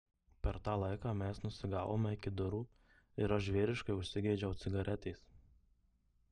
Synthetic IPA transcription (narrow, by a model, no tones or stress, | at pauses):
pʲɛɾt̪ɑːlˠɐɪkɑːmʲɛsnʊsʲɪɡɑːʋo̰ːmʲɛɪkʲɪd̪ʊɾuː | ɪɾɐʃʒʲʋʲeːɾʲɪʃkɐɪʊʃʲsʲɪɡʲɛɪd͡ʒʲɛʊt̪sʲɪɡɐɾʲʔɛt̪ʲɛɪs